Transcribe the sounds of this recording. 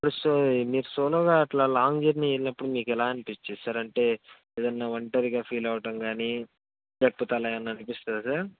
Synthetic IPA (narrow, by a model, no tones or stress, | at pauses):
ɐpuɽusomiːɾusoːloːɡaːɐʈlaːlaːŋd͡ʒeɾnielinɐpːuɽumiːkɛlaːɐnipit͡ʃːisɐɾɐɳʈe̞ːeːd̪ɐnːaːʋɐɳʈɐɾiɡaːpʰiːlɐʋɐʈɐmɡaːni | d͡ʒɐpːɐt̪ɐlɐjɐnːɐnipist̪aːd̪usaːɾ